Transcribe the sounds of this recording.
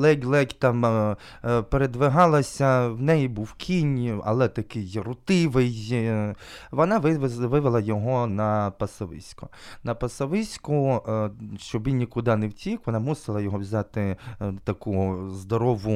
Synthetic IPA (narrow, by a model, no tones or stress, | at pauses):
lˠɛɡʲlˠɛkʲt̪ɑm | peɾed̪ʋɪɦɑlˠɐsʲɐwnɛjibuwkʲʰinʲɐ̰lˠɛt̪ɐkɪjrʊt̪ɪʋɪj | ʋɔnɑʋɪʋʋɪʋɪlˠɐjɔɦɔnɐpɐsɐʋɪ̰sʲkɔ̥ | nɐpɐsɐʋɪsʲkʊ | ʃt͡ʃɔbinʲikʊd̪ɑnɛwtʲikʋɔnɑmusɪlˠɐjɔɦɔʋzʲɑt̪ɪt̪ɐkuzd̪ɔɾɔʋʊ